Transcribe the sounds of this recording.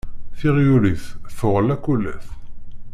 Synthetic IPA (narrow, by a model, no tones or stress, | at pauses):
θɪʁjuliθθʊʁəlækʷːulːæ̰θ